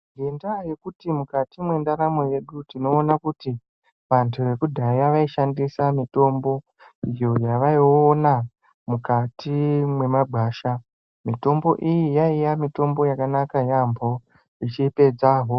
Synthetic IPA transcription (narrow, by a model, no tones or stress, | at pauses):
ɡendaje̞kutimukatimwe̞ndaɾamweje̞ɗutino̞ːnakuti | ʋantʰuʋe̞kudʱajaʋaiʃandisamito̞mbo̞ | ijo̞jaʋaiona | mukatʰimwe̞mabʱaːʃa | mito̞mbo̞ʔijijaijamito̞mbo̞jakanakajambʱo̞ | it͡ʃipe̞d͡zaːɦo̞